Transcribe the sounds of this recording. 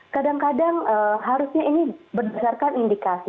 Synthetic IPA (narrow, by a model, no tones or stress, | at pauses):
kadaŋkadaŋəɦaɾusɲainibərdasarkanindikasi